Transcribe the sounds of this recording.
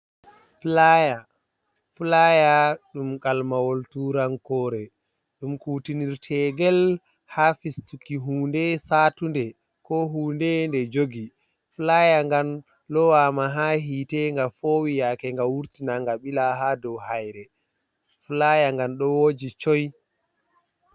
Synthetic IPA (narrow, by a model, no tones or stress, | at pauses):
flaja | flajaɗumkalmawoltuɾaŋkɔːɾɛ | ɗumkuːtiniɾtʰɛːɡɛl | hafistukːiɦuːndɛsaːtundɛ | kɔɦuːndɛndɛd͡ʒoɡi | fulajaŋɡan | lɔwaːmaɦaɦiːtɛŋɡafowijakɛŋɡawuɾtinaŋɡaɓilaɦadɔwhajɾɛ | fulajaŋɡanɗɔwod͡ʒit͡ʃɔj